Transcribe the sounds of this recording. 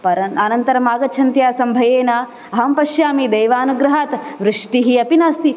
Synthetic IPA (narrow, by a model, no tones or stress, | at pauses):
pɐɾɐɐnɐnt̪ɐɾɐmaːɡɐt͡ʃʰɐnt̪jaːsɐmbʱɐjeːna | ɐɦɐmpɐʃjaːmid̪ɐjʋaːnuɡɾɐɦaːt̪ʋɾɨʂʈiɦiɐpinaːst̪i